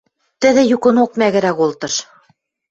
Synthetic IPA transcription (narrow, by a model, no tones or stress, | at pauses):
t̪ɘ̆ðɘ̆jukɤ̆nok̚mæɣɘ̆ɾæɣolt̪ɤ̆ʃ